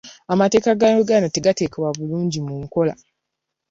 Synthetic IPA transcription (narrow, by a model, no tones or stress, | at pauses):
amate̞ːkaɡanoɡanateɡateːkeβwaβuluːɲɟimuŋko̞la̰